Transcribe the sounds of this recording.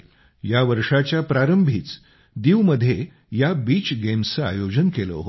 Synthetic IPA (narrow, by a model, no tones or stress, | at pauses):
jaʋəɾʂat͡ɕjapɾaɾəmbʱiːt͡s | d̪iʋməd̪ʱːje | jabiːt͡ɕɡemsəa̰jod͡ʑənkelə̰ɦo